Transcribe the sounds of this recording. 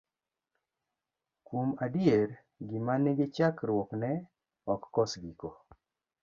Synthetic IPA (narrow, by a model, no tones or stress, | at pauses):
kwomadɪeɾ | ɡɪmaneɡet͡ʃakɾwoknɛ | ɔkːɔsɡiko